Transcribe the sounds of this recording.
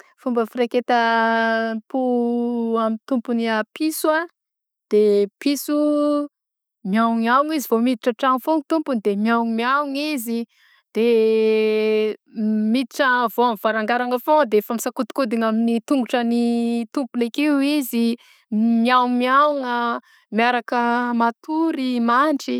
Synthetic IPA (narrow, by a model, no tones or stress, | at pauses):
fumbəfireket̪ə | pu | amit̪umpuniapʰisua | d̪̥episu | mjawŋiawŋizivomid̪iʈ͡ʂəʈ͡ʂaŋufoŋit̪umpund̪emjawŋmjawŋizi | d̪̥e | mid̪iʈ͡ʂəvoamvaɾaŋɡaɾaŋəfod̪eefamisakut̪u̥kud̪iŋaminit̪uŋɡuʈ͡ʂənit̪umpulekewizi | miawŋmiawŋə | miaɾakəmat̪ʰuɾimaɳʈ͡ʂi